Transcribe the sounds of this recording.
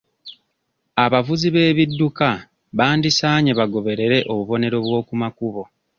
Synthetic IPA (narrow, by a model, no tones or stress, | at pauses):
aβavuziβe̞ːβidːuka | βaːndisaːɲeβaɡo̞βe̞ɾe̞ɾe̞ʔoβuβo̞ne̞ɾo̞βwo̞ːkumakuβo̞